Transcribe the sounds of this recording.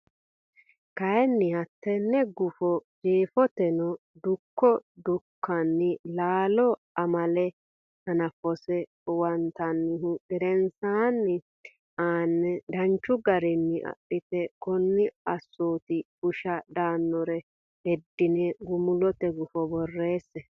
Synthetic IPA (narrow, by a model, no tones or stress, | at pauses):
kɐjɛnːɪhɐt̪ːɛnːɛɡʊfɔd͡ʒeːfɔt̪ɛnɔ | d̪ʊkːɔd̪ʊkʰːɐnːɪlaːlɔ | ɐmɐlɛ | hɐnɐfɔsɛ | wɐnt̪ɐnːɪɦʊɛɾɛnsaːnːɪ | aːnːɛd̪ɐnt͡ʃːʊɡɐɾɪnːɪʔɐ̰ɗɪt̪ɛkɔnːɪɐsːoːt̪ɪ | ʊʃɐd̪aːnːɔɾɛ | hɛd̪ːɪnɛɡʊmʊlɔt̪ɛɡʊfɔbɔrːe̞ːsːɛ